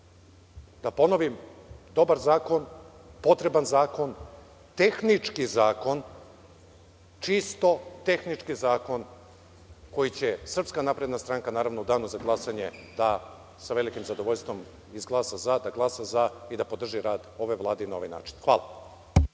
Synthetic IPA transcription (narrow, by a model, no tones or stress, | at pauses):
d̪apo̞no̞ʋimd̪o̞baɾzaːko̞n | po̞t̪ɾe̞banzaːko̞n | t̪e̞xnit͡ʂkizaːko̞n | t͡ʃist̪o̞t̪e̞xnit͡ʃkizaːko̞n | ko̞jit͡ɕesr̩pskanapɾe̞d̪nast̪ɾaŋkanaːɾaʋnoud̪aːnuzaɡlˠasaɲe̞d̪a | saʋe̞likimzad̪o̞ʋoʎst̪ʋo̞m | izɡlˠaːsazad̪aɡlˠasazaid̪apo̞d̪r̩ʒiɾaːd̪o̞ʋe̞ʋlˠaːd̪einao̞ʋajna̰ːt͡ʃi̥nxʋaːlˠa̰